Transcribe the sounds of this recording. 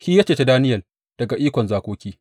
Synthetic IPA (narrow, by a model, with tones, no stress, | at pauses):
ʃiː˦jaː˦t͡ʃeː˨te˦daː˦nɪ˦jɐ˨ | d̥ɐ˨ɡa˨ʔiː˦kʷɔ˨nzaː˨kʷoː˦kʲiː˦